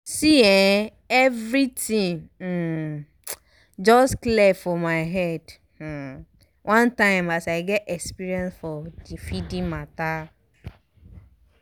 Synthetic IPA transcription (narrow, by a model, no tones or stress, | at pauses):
siɛ̃ | evɾitĩŋ̩ | d͡ʒɔsklefɔmaɪɦɛd̩ | wʔãntãɪ̃masaɪɡɛtɛkspiɾiɛ̃nsfɔdifidĩmata